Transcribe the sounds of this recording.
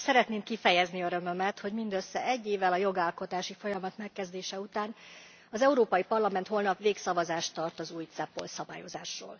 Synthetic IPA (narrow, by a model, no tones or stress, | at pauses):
sɛɾɛt̪neːmkifɛjɛzniøɾø̞mø̞mɛt̪ho̞ɟmind̪øsːɛʔɛɟːeːvɛlɒjo̞ɡaːlko̞t̪aːʃifo̞jɒmɒt̪mɛkːɛzd̪eːʃɛut̪aːn | ɒzɛuɾoːpɒjipɒrlɒmɛnt̪hɦo̞lnɒpveːksɒvɒzaːʃt̪ːɒrt̪ɒzuːjt̪sɛpːo̞̰lsɒbaːjo̞zaːʃro̰ːl